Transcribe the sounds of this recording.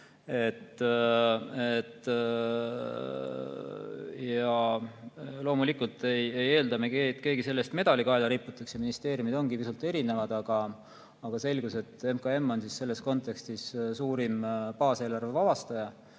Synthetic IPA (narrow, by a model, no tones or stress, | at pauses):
e̞t̪ː | et̪ː | jɑ | lo̞ːmulikult̪e̞jeje̞ːld̪ɑmekeːt̪ke̞ːɡise̞lːe̞st̪me̞d̪̥ɑlikɑelɑɾipːˑut̪ːˑɑksjɑminist̪e̞ːɾjumid̪̥o̞nɡ̥ipisult̪ːˑe̞ɾine̞vɑd̪̥ɑɡ̥ɑː | ɡ̥ɑse̞lɡ̥use̞t̪ːe̞mkɑe̞mːo̞nsisse̞lːe̞sko̞nt̪ːˑe̞kst̪issuːɾimpɑːse̞ːlɑrve̞vɑbɑst̪ɑjɑ